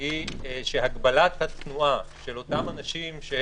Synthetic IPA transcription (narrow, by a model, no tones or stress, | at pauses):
iʃeɦaɡbalat̪hat̪nuʔaʃe̞lo̞t̪amanaʃimʃe